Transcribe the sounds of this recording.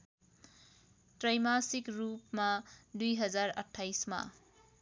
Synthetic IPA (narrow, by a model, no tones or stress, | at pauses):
tɾajmasikɾupmɐdujɦʌzaɾɐ̰tʰːajsmɐ̰